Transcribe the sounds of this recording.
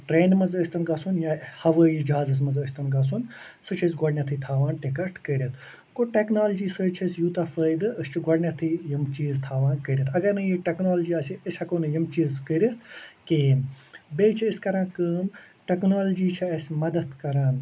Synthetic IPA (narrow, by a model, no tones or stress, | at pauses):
ʈɾeːnmɐzəːsʲt̪ɐnɡɐsunjahɐʋəːjid͡ʒɐɦaːzɨs̬mɐzəːsʲt̪ɐnɡɐs̬un | sɨt͡ʃʰɐsʲɡɔɽnʲɐt̪ʰɨt̪ʰaːʋaːnʈikɐɾʈkəɾʲɐt̪ʰ | koʈeknaːld͡ʒiːsəːt͡ʃʰɐsʲjut̪afəːjd̪ɨəst͡ʃʰiɡɔɽnʲat̪ʰɨjəmt͡ʃiːzt̪ʰaːʋaːnkəɾʲɐt̪ʰɐɡɐɾnɨjiʈeknaːld͡ʒiaːsiəsʲɐkoːnɨjɐmt͡ʃiːzkəɾʲɐt̪ʰke | beːt͡ʃʰiːskɐɾãːkəːm | ʈeknaːld͡ʒiːt͡ʃʰɐɐsʲmɐd̪ɐt̪kɐɾaːn